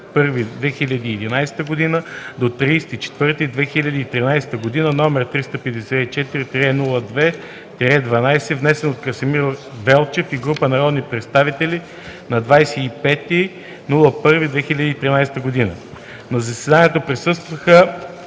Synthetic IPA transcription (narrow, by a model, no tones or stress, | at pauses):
pɤɾvid̪vɛxilʲɐd̪iːɛd̪inajsɛ̥t̪əɡod̪inəd̪ot̪ɾijst̪it͡ʃɛ̥t̪vɤɾt̪id̪vɛxilʲɐd̪iːt̪ɾinajsɛ̥t̪əɡod̪inənɔmɛɾt̪ɾist̪əpɛd̪ɛsɛit͡ʃɛt̪iɾit̪ɾʲɛnulˠəd̪vɛ | t̪ɾɛd̪vɐnajsɛvnɛsɛnot̪kəsɛmiɾ | vɛlˠt͡ʃɛfiɡɾupənɐɾɔd̪nipɾɛt̪st̪avit̪ɛlʲi | nɐd̪vajsɛipɛt̪i | nulˠəpɤɾvid̪vɛxilʲəd̪iːt̪ɾinajst̪əɡod̪inə | nɐzɐsɛd̪aniət̪əpɾisɤst̪vəxə